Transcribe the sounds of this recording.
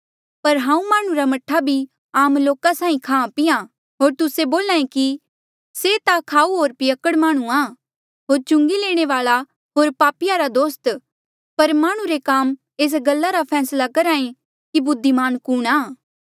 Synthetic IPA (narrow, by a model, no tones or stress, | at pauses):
pɐɾɦãːũmaːɽ̃ũɾamɐʈʰːabʱi | aːmloːkasãːĩkʰãːpɪjã | ɦoːɾt̪ʊseboːlaːẽki | set̪akʰaːuɦoːɾpɪjəkəɽmaːɽ̃ũaː | ɦoːɾt͡ʃʊ̃ŋɡileːɽ̃eʋaːɭa | ɦoːɾpaːpɪjaɾad̪oːst̪ | pɐɾmaːɽ̃ũɾekaːm | eːs̬ɡɐlːaɾapʰɛːslakɐɾãːẽ | kibʊd̪ʱːimaːnkuːɽ̃aː